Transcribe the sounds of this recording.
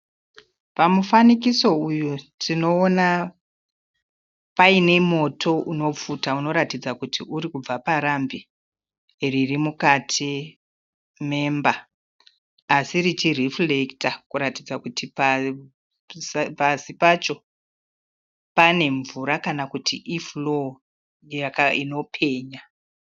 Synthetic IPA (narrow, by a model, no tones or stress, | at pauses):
pamufanikiso̞ujutʰino̞ːna | paine̞mo̞tʰo̞uno̞p͡futauno̞ɾatid͡zakutʰiʔuɾikub͡vapaɾambi | ririmukatʰi | me̞mba | sirit͡ʃiriflektakuɾatid͡zakutipa | pasipat͡ʃo̞ | pane̞ɱvuɾakanakutʰiʔiflo̞ | jakaino̞pʰe̞ːɲa